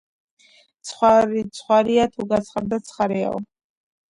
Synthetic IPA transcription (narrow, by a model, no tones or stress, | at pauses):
t̪sʰχwaɾit̪sʰχwaɾiat̪ʰuɡat̪sʰχaɾd̪at̪sʰχaɾɛa̰ɔ̰